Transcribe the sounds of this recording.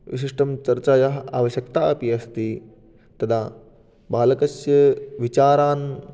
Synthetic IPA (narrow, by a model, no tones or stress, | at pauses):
ʋiʃ̬iʂʈɐmt͡ʃɐɾt͡ʃaːjɐɦɐa̰ːʋɐʃjɐkt̪aːɐpiɐst̪i | t̪ɐd̪ʰaː | baːlɐkɐsjɐʋit͡ʃaːɾaːn